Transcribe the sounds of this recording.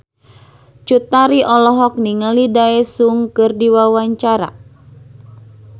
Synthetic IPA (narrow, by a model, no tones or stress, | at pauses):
t͡ʃut̪aɾiʔɔlɔɦɔk̚niŋalidaɛsuŋkɨrdiwawaɲt͡ʃaɾa̰